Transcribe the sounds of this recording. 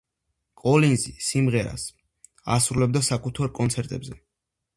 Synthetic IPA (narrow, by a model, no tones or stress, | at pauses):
kʼɔlinzisimʁɛɾa̰s | a̰sɾulɛb̚d̪asakʼut̪ʰaɾkʼɔnt̪sʰɛɾt̪ʼɛbzɛ